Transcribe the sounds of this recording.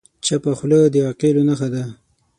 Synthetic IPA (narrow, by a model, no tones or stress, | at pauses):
t͡ʃapaxləd̪əaqelonaxad̪a